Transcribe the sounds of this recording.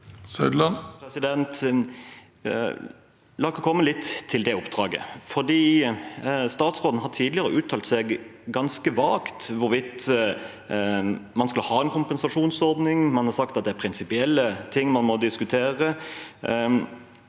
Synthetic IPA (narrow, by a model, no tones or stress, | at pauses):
sœd̪lɑnpʰɾɛsɪd̪ɛnt̪ | lɑːkɔkʰɔmːəlɪt̪ːtʰːɪld̪ɛʊpd̪̥ɾɑːɡə̰fɔʁd̪iː | st̪ɑːt̪sʁoːd̪n̩hɑʈ̪ʰiːd̪lɪəɾəʔʉːt̪ʰɑlt̪sɛɡ | ɡɑnskəʋɑːkt̪ʋʊɾʋɪt̪ | mɑnskɑlhɑːɛnkʰʊmpɛnsɑʂuːnsɔɾd̪nɪŋmɑnhɑɾsɑkt̪ɑt̪̚d̪ɛæɾpʰɾɪnsɪpɪɛlːət̪ʰɪŋːmɑnmɔd̪ɪskʉt̪ʰeːɾə